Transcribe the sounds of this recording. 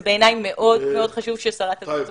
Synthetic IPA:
be̞ːnajmːe̞ʔo̞dmeo̞dχaʃuvʃesaʁat̪a

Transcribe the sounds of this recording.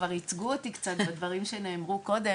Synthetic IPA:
vaʁit͡sɡuot̪ikt͡sat̪bad̪vaʁimʃe̞ne̞ːmʁuko̞d̪e̞

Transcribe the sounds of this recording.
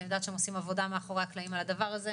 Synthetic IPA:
iod̪at̪ʃeemosimavo̞d̪ameaχo̞ʁeaklaimalad̪avaʁaze

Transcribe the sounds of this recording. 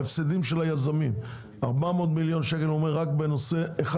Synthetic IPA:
efsidimʃe̞lajazamim | aʁbameot̪miljo̞nʃeke̞lomeʁːakbe̞no̞se̞ːχa

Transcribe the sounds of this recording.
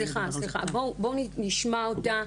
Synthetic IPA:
liχasliχa̰bobonniʃmaota

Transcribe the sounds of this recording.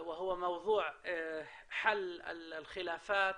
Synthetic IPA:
wɪɦʊwːamɑwðˤuːʕ | ħalːɪ̰lxɪlaːfaːt̪

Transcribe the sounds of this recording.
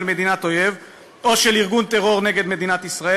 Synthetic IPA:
lme̞d̪inat̪ojev | oʃeliʁɡunt̪eʁo̞ʁneɡe̞d̪me̞d̪inat̪isʁae

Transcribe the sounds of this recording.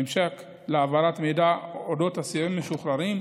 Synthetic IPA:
mʃek | leavaɾatmejdaodo̞tasiimːeʃuχɾaɾim

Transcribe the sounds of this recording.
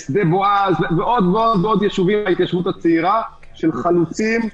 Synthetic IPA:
sd̪eboazveveʔo̞d̪veo̞d̪veo̞d̪jeʃuvimait̪jaʃvut̪at͡seiʁa | ʃelχalut͡sim

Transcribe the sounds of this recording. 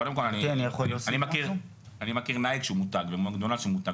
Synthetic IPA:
odemkolanianijeχolosanimakiʁ | animakiʁnaikʃeumut̪aɡvemuaɡd̪onaʃeumut̪a

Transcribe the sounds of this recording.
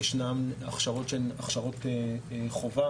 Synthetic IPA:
ʃnamaχʃaʁotʃelaχʃaʁoteχova

